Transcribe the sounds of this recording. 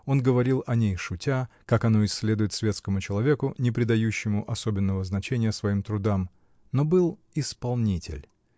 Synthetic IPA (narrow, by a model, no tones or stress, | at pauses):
o̞nɡəvɐɾʲilˠɐnʲejʂʊtʲa | kakɐno̞ɪsʲːlʲe̞d̪ʊjɪt̪svʲe̞t̪skəmʊt͡ɕɪlˠɐvʲe̞kʊnʲɪpɾʲɪd̪ɐjʉɕːɪmʊʔɐsobʲɪnːəvəznɐt͡ɕenʲɪjəsvɐimt̪ɾʊd̪am | no̞bɨlˠ | ɪspɐlˠnʲitʲɪ̰lʲ